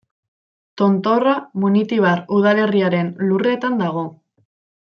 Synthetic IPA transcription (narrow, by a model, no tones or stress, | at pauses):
t̪o̞nt̪o̞ramunit̪iβ̞aɾuðale̞riaɾe̞nlure̞t̪and̪aɣ̞o̞